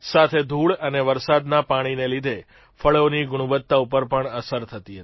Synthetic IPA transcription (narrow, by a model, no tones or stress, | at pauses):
sat̪ʰed̪ʱuɭəneʋəɾsad̪napaɽ̃inelid̪ʱe | fəɭoniɡʊɽ̃uʋət̪ːaupəɾpəɳəsəɾt̪ʰət̪iɦət̪